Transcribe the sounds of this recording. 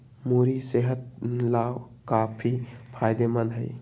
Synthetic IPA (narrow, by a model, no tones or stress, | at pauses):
muːɾiseɦət̪̚laːw | kaːpʰipʰaːjd̪emənd̪ɦəḭ